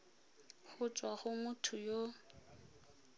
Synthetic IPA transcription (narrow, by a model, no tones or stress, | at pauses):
χʊt͡ʃʼwaχʊmʊtʰʊjo